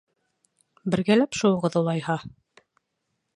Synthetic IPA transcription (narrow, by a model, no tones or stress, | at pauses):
bɘ̆ɾɡælæpʃŭwɤ̆ʁɤðulˠɑjhɑ